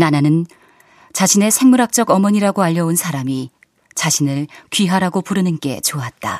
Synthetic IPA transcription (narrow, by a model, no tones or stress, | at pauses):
nananɯn | t͡ɕaɕʰine̞sʰe̞ŋmuɾak̚t͡ɕ͈ʌɡʌmʌɲiɾaɡoaʎːʌunsʰaɾami | t͡ɕaɕʰinɯɭkɥiɦaɾaɡopuɾɯnɯnk͈e̞̰t͡ɕoat̚t͈a